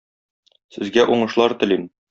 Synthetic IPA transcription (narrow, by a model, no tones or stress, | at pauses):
sɘ̆zɡæʔuɴɤ̆ʃlˠɑɾt̪ɘ̆lin